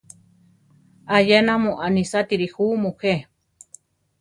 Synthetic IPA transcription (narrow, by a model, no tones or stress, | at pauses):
ajenamuʔanisat̪iɾixuːmuhe